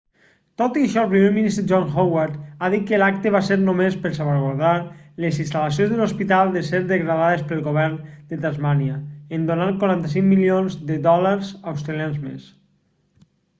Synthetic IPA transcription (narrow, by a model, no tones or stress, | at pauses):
t̪ot̪iəʃɔəlˠpɾimeminist̪ɾeʒɔnxowaɾt̪aðit̪̚kəlak̚t̪eβaseɾnomespəɾsaβaɾɣoɾðaɾlezinst̪aləs̬jõnzðelospit̪alˠd̪eseɾðəɣɾaðaðespəlˠɣoβɛɾnd̪ət̪azmaniaend̪onaŋkwaɾant̪əsiŋmilionzðəðɔlaɾzawst̪ɾelianzmḛs